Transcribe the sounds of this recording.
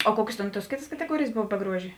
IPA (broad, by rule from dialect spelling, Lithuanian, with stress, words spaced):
oː ˈkuɔkʲeːs ˈtʲeːn tuɔs ˈkʲeːtɐs kɐtʲɛˈɡuɔrʲeːjeːs ˈboːw bʲɛ ˈɡruɔʒʲeː